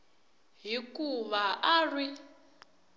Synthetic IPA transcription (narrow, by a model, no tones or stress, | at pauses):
ɦikʼuβaʔarwi